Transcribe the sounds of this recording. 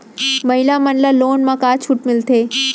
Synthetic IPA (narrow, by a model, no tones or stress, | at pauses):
mɐɦɪlamɐnləloːnmãkaːt͡ʃʰʊʈmɪlt̪ʰeː